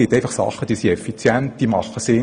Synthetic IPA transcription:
ɪt̪æɪfɑχsɑ̰χːəd̥iːsiɛfit͡sjɛnt̚d̥̪iːmɑχːəsɪ

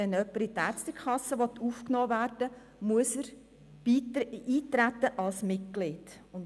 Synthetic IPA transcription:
ɛnœpːəɾit̪æːɾstəkχɑsːəʋɔt̪ʰːuːfknɔːvæːrd̥ə | muəsəɾ̥ | iiːtɾæt̪ːəʔɑlsmɪt̚klɪːdʊn

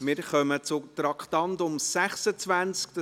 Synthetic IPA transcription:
mɪɾχœmət͡sʊt̪ɾɑkʰtɑnt̪ʊmsæχsət͡sʋænt͡skt̪ə

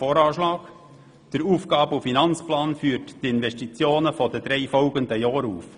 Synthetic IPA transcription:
oːɾɑːʃlɑːk | d̥əɾuːfɡ̥ɑːbufinɑnt͡splɑːnfyːətd̥ɪnʋɛʃtit͡sjoːnəfɔdəd̥̪ɾɛɪfɔʊɡənd̪əjɑːɾuːf

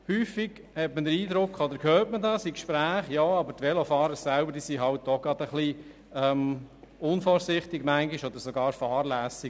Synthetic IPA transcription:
hyːfiɡ̥ | hɛtməd̪əɾiːd̪ɾʊkχɔd̪əɾkʰøːtmədɑːsikʃpɾæːχjɔːɑbətʋɛlofɑːɾəɾsæʊbəɾdisiɦɑlt̚dɔɡ̥ɑd̪əχli | ɛmʊnfɔːɾsɪχt̪ɪɡmæŋɡiʃɔd̪əɾsoɡɑːɾfɑːrlæːsɪ

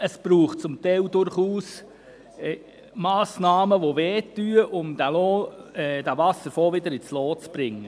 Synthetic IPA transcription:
əsb̥ɾuːχ̚t͡sʊmt̪ɛɪld̪ʊɾχuːs | mɑːsnɑːməʋoʋɛːtːyːəʔʊmd̥̪æloːɛd̥̪ævɑsəɾfoːʋɪd̪əɾɪt͡sloːt͡sb̥ɾɪŋːə

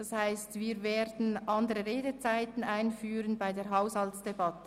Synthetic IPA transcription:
d̥ɑshaɪstviːɾveːʁdn̩ʔɑndəʁəʁeːdət͡saɪtn̩aɪnfyːɾənbaɪdeːʁɦaʊshɑltsd̥ebɑtə̥

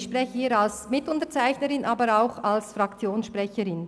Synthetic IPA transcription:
ʃpʁ̥ɛçəiːɾalsmɪtʊntət͡saɪçnəɾɪnʔaːbəɾaʊxalsfɾɑkt͡sjoːnsʃpʁɛçəɾɪn

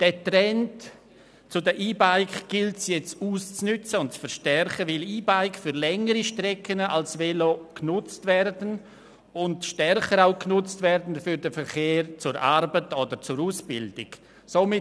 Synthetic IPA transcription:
d̥ɛtɾɛnt | t͡sʊdəʔiːbaɪkɡ̥ɪltsjɛt͡stuːst͡snʏt͡səʊntt͡sfəɾʃtɛɾχəvɪliːbaɪkfyɾlɛŋəɾiʃtɾɛkʰənalsvɛloknʊt͡stvɛɾdən | ʊndʃtɛɾχəɾaʊknʊt͡stvɛɾdn̩fyɾdəfəɾχeːɾt͡sʊɾʔaɾbətodəɾt͡sʊɾuːsb̥ɪldɪk | somɪ

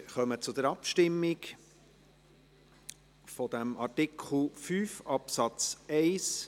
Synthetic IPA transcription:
χœmət͡sʊd̪əɾɑpʃtɪmːɪk | fɔd̪æmɑrtɪkʰl̩ˠfyːfɑpsɑt͡sɛɪs

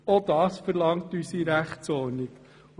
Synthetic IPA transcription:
od̥̪ɑːsfəɾlɑŋtysiɾæχt͡sɔniɡ

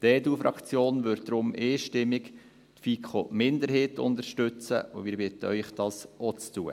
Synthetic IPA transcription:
d̥ɛːdufɾʔɑ̰kt͡sjoːnʋʏɾ̚d̥ɾʊmʔeːʃtɪmːɪk | tfikʰomɪnd̪əɾɦeːtʊ̰nd̪əɾʃtøt͡sə̰ʔʊ̰mɪːɾbɪtəœʏχd̥ɑsɔt͡stuə̰

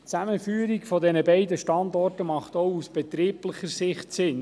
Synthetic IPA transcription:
t͡sæməfyːɾikfɔdɛnəbɛɪdəʃtɑndɔrtəmɑχtɔwusb̥ɛt̪ɾiːpləχəɾsɪχtsɪn

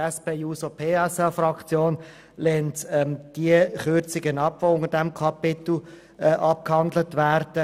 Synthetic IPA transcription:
ɛspeːuːsopʰeːɛsɑfɾɑkt͡sjoːn | lɛːntɛmd̥iəχøɾt͡sɪɡənɑpʋoʊŋədɛmkʰɑpɪt̪l̩ | ɛʔɑp̚khɑndlətʋæːɾd̥ə

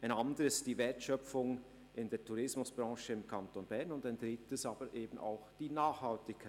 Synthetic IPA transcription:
aɪnandəɾəstd̥iːvɛɐtʃœfʊŋ | ʔɪndeːɐtʰuɾɪsmʊsb̥ʁɑ̃ːʃəɪmkʰantonbɛɐnʊndaɪndʁɪtəsaːbəɾʔeːbn̩a̰ʊxd̥iːnaːχhaltɪçkʰa

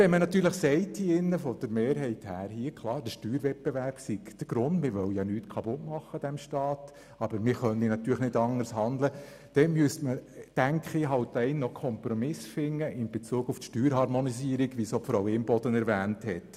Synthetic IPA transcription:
ʋɛnmənɑt̪yːɾləχsɛɪtʰːiɪnːəfɔd̥əɾmeːɾɦɛɪthæːɾhiːəkʰlˠɑːɾdəʃtyːɾʋɛt̚peʋærb̥siɡd̥əɡ̥ɾʊndmɪɾʋœwjɑnyːtkʰɑbʊtmɑχːəd̥ɛmʃtɑːt | ɑb̥əɾmɪɾχœninɑt̪yːɾləχnɪdɑŋəɾshɑnd̪lə | d̥ɛnmyəstməd̥æŋkχɪɦɑwtːɛɪnːɔkʰɔmpɾɔmɪsfɪŋːəʔɪnbet͡suːɡuftʃtyːɾhɑɾmɔnisiːɾiɡʋisofɾɑwɪmbɔd̥ənɛɾʋæːnthɛt

